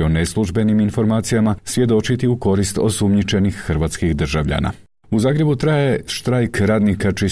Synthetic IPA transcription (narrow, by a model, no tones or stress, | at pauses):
oneslˠuʒbe̞niminfo̞ɾmaːt̪sijamasʋʲje̞d̪o̞t͡ʃit̪iuko̞ɾist̪o̞sumɲit͡ʃe̞nixːrɾʋaːt̪skixd̪rʒaʋʎa̰na̰ | uzaːɡɾe̞but̪ɾajeʃt̪ɾajkɾaːd̪nikat͡ʃi